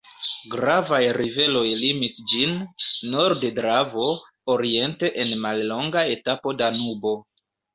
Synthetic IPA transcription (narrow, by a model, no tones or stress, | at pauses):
ɡɾavajɾive̞lo̞jlimisd͡ʒinːo̞ɾdedɾavo̞ | oɾie̞nte̞ʔenmalːo̞ŋɡae̞tapo̞danubo̞